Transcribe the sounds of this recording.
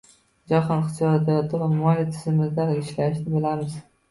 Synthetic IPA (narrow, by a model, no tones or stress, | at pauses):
d͡ʒaχɒnχɪsjɒd̪ajɒt̪ʰɪvamɒlit̪ʰɪzɪmɪzd̪aɾɪʃlaʃnɪbɪlamɪz̥